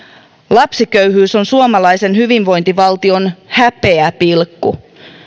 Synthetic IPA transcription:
lɑpsikøɥɦyːso̞nsuomɑlɑjse̞nhyʋinʋo̞jnt̪iʋɑlt̪io̞nhæpe̞æpilkːu

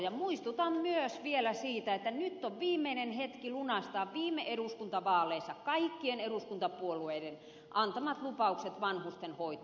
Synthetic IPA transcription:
jɑmuist̪ut̪ɑmmyøsʋielæsiːt̪æet̪ːænyt̪ːoʋʋiːmːeinenhet̪kilunɑst̪ɑːʋʋiːmːˑeʔeɾuskunt̪ɑʋɑːlˑeisːɑkɑikːieneɾuskunt̪ɑpuolueiden | ʔɑnt̪ɑmɑt̪lupɑukset̪ʋɑnhust̪enhoit̪

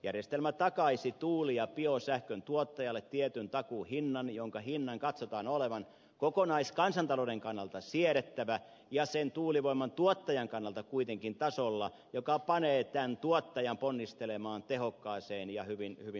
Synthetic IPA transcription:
jærjest̪elmæt̪ɑkɑisit̪uːlijɑpiosæhkønt̪uot̪ːɑjɑlːˑet̪t̪ːiɛt̪ynt̪ɑkuhinːɑnjoŋkɑhinːɑŋkɑt̪sot̪ɑːnoleʋɑn | kokonɑiskɑnsɑnt̪ɑloːdeŋkɑnːɑlt̪ɑsiɛɾet̪ːæʋæ | jɑsent̪uːliʋoimːˑɑnt̪uot̪ːɑjɑŋkɑnːɑlt̪ɑkuit̪eŋkint̪ɑsolːɑ | jokɑpɑneːt̪ænt̪uɔt̪ːɑjɑmponːist̪elemɑːnt̪ehokːɑːseːnjɑhyʋinhyʋi

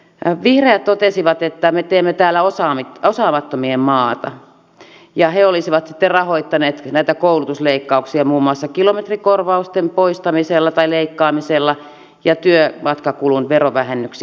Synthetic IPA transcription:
ʋihreæt̪t̪ot̪esiʋɑt̪et̪ːæmet̪eːmːet̪æːlːæosɑːmit̪osɑːmɑt̪ːomiemmɑːt̪ɑ̰ | jɑheolisiʋɑt̪si̥t̪ːerrɑhoit̪ːɑneːt̪næˑit̪ækoulut̪usleikːɑuksiɑmuːmːuɑsːɑkilomet̪rikorʋɑust̪empoist̪ɑmiselːɑt̪ɑileikːɑːmiselːɑ | jɑt̪yømɑt̪kɑkulunʋeroʋæhenːyks

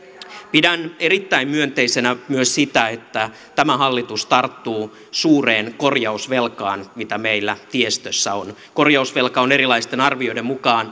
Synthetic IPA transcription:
pidæne̞ɾit̪ːæimmyønt̪eisenæmyøssit̪æet̪ːæ | t̪æmæɦɑlːit̪ust̪ɑrt̪ːuː | suːreːnkorjɑusʋelkɑːnmit̪æmeilːæt̪iest̪øsːæonko̞rjɑusʋe̞lkɑone̞ɾilɑist̪enɑrʋiojɾemmukɑːn

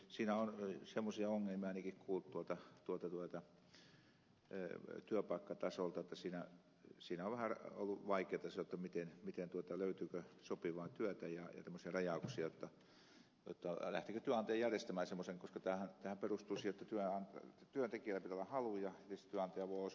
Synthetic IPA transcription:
siːnæonsemːosiɑoŋːelmiɑinikikkʰuːlt̪t̪uot̪ɑt̪uot̪ɑt̪uot̪ɑ | t̪yøpɑˑikːɑt̪ɑsolt̪ɑet̪ːɑsiːnæ | siːnæoʋʋæhæro̰lːuʋɑikeːt̪ɑsɑot̪ːɑmit̪enmit̪ent̪uot̪ɑløyt̪yːkøsopiʋɑːnt̪yøt̪æjɑjɑ̰t̪emːˑosiɑrɑjɑˑuksiɑjot̪ːɑ | jo̰t̪ːɑlæ̰ht̪ikøt̪yæɑnt̪ɑjɑjærjest̪æmæːsemːoseŋkoskɑt̪æːhænt̪æhæmperust̪uisijjot̪ːɑt̪yøɑnt̪yønt̪ekiælːæpit̪olːɑhɑlujɑnist̪t̪yæɑnt̪ɑjɑʋoios

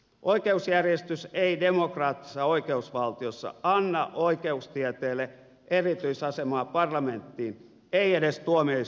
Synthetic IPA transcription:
ʔoikeusjærjest̪yseidemokrɑːt̪ːi̥sɑoikeusʋɑlt̪iosːɑ̰ɑnːɑʔoikeust̪iɛt̪eːlːe | ʔerit̪yisɑsemɑːpɑrlɑment̪ːiːn | eiedest̪uomie

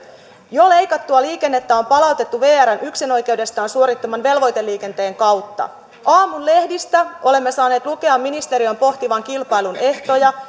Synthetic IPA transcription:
jo̞le̞jkɑt̪ːuɑliːke̞nːe̞t̪ːæo̞mpɑlɑwt̪e̞t̪ːuʋe̞ːærænʔyksino̞jke̞wde̞st̪ɑːnsuo̞ɾit̪ːo̞mɑnʋe̞lʋo̞jt̪e̞lːiːke̞nt̪e̞ːŋkɑwt̪ːɑ̰ | ʔɑːmunle̞hdist̪æo̞le̞mːe̞sɑːne̞ːt̪luke̞ɑmːinist̪e̞ɾio̞mpo̞ht̪iʋɑŋkilpɑjlune̞ht̪o̞jɑ

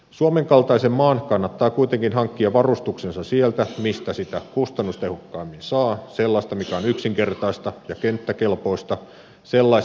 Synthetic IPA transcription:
suomeŋkɑlt̪ɑisemːɑːnkɑnːɑt̪ːɑːkuit̪eŋkinɦɑŋkːiɑʋɑrust̪uksensɑsielt̪æmist̪æsit̪ækust̪ɑnːust̪ehukːɑːmːinsɑːselːɑist̪ɑmikæonyksiŋkert̪ɑist̪ɑjɑkent̪ːækelpo̞ist̪ɑ | selːɑis

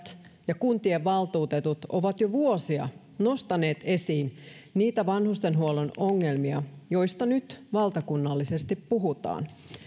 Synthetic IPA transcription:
t̪ | jɑkunt̪ieʋʋɑlt̪uːt̪et̪ut̪oʋɑt̪joʋuosiɑ̰ | nost̪ɑne̞ːt̪e̞siːn | niːt̪æʋɑnhust̪enɦuolonoŋːe̞lmiɑjo̞jst̪ɑnyt̪ʋɑlt̪ɑkunːɑlːisest̪ippuɦut̪ɑ̰ːn

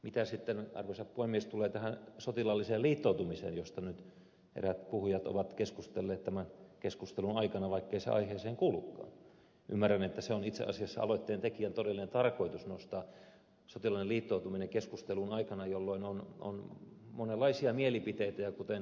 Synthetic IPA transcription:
mit̪æsit̪ːenɑ̰rʋosɑppuemiest̪uleːt̪æhænsot̪ilɑlːiseːliːt̪ːout̪umisḛːnjost̪ɑnyt̪ | ḛræt̪̚puhujɑt̪o̰ʋɑt̪keskust̪elːeːt̪t̪æmænkeskust̪elunɑikɑnɑʋɑikːeisḛɑ̰iheːseːŋkuːlukːɑ̰ːn | ʔy̰mːærːænet̪ːæseonit̪sḛʔɑ̰siɑsːɑ̰ɑ̰loit̪ːeːnt̪ekiænt̪odelːinent̪ɑrkoit̪usnost̪ɑː | sot̪ilɑlineliːt̪ːout̪umineŋkeskust̪elunɑikɑnɑjolːoinono̰nmonelːɑisiɑmielipit̪eit̪æjɑkut̪en

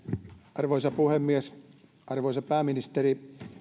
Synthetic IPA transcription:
ɑrʋoisɑpuhemːies | ʔɑrʋoisɑpæːminist̪eɾi

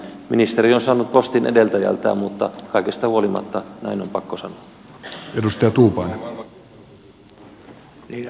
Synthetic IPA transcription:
minist̪eɾionsɑːnːut̪̚po̞st̪inʔḛdelt̪æjæ̰lt̪æ̰ːmmut̪ːɑkɑikest̪ɑhuo̞limɑ̰t̪ːɑnæinompɑkːosɑno | edust̪ɑjɑt̪uːpɑn | ni

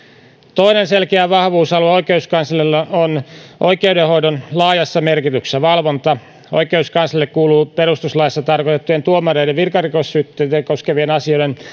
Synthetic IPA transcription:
t̪o̞inenselkeæʋɑhʋuːsɑlueoikeuskɑnsɑlelːɑonʔoikeudehoidonlɑːjɑsːɑmerkit̪yksæʋɑlʋont̪ɑ | o̰ikeuskɑnsɑlːekkuːluːperust̪uslɑjɑsːɑt̪ɑrkot̪et̪ːujent̪uomɑreideʋʋirkɑrikosːyt̪ːetekoskeʋienɑsioiden

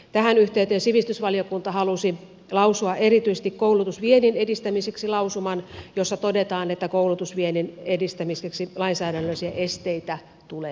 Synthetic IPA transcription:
t̪æɦænyht̪eyt̪øːnsiʋist̪ysʋɑlijokunt̪ɑhɑlusi | lɑusuɑʔe̞rit̪yse̥st̪ikkoulut̪usʋieninedist̪æmiseksilɑusumɑnjosːɑt̪odet̪ɑːnet̪ːækoulut̪usʋieninedist̪æmiseksilɑinsæːdænːøisiæʔest̪eit̪æ | t̪uleː

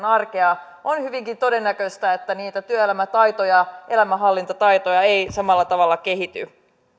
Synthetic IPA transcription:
nɑrke̞ɑ | ʔonhyʋiŋkint̪o̞de̞nːækøst̪æet̪ːæniːt̪æt̪yøelæmæt̪ɑjt̪ojɑʔe̞læmæɦɑlːint̪ɑt̪ɑjt̪ojɑejsɑmɑlːɑt̪ɑʋɑlːɑke̞ɦit̪y̰

